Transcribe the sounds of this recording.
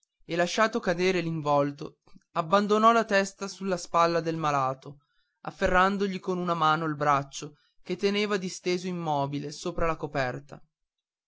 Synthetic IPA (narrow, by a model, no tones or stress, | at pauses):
elaʃːaːt̪okad̪eːɾeliɱvɔlt̪o | abːand̪onɔlat̪ɛst̪asulːaspalːad̪elmalaːt̪o | a̰fːerːand̪oʎikonunamaːnoilbɾat͡ʃːo | ket̪ːeneːvad̪ist̪eːzoimːɔːbilesoːpɾalakopɛrt̪a̰